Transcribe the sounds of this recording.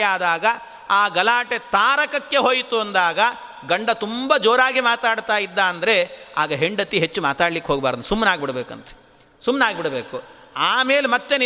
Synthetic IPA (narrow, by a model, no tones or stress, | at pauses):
aːd̪aːɡɐ | aːɡɐlaːʈet̪aːɾɐkɐkːe̞ɦoːjt̪uɐnd̪aːɡɐ | ɡɐɳɖɐt̪umbɐd͡ʒoːɾaːɡimaːt̪aːɽt̪aːjid̪ːaːnd̪ɐɾe̞aːɡɐɦeɳɖɐt̪ːiɦet͡ʃːumaːt̪aːɽlikːɦoːɡbaːɾd̪d̪sumːnaːɡbiɽɐbeːkɐ̰nt̪e̥ | sumːnaːɡbiɽɐbeːkuaːmeːlemɐt̪ːen